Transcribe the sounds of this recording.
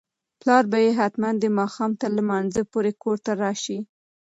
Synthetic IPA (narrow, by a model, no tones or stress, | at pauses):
plɑɾbajeɦat̪mand̪emɑxɑmt̪əɾləmanzəpoɾekoɾt̪aɾɑʃi